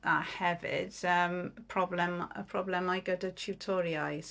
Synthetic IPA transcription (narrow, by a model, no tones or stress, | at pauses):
ahɛvɪ̰d̥əmpʰrɔblɛmə̰pʰrɔblɛmajɡədət͡ʃʰuwtʰɔɾjajs